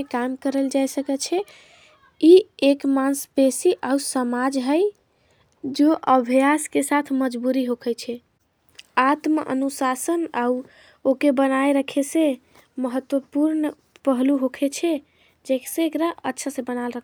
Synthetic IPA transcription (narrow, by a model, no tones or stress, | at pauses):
ekamkəɾəld͡ʒajsəkət͡ʃʰɛ | iekmansbesiʔausəmad͡ʒɦəj | d͡ʒoʔəbʱijaskesat̪ʰməd͡ʒbuɾiɦokʰət͡ʃʰɛ | at̪məʔə̰nusasənau | okebənajɾəkʰesẽ | məɦət̪wəpuɾn | pəɦluɦokʰet͡ʃʰɛ | d͡ʒeksẽːkɾaə̰tːʃʰasẽbənalɾəkʰ